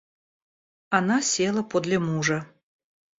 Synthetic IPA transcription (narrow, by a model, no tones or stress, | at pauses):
anasʲelˠəpod̪lʲɐmuʐɐ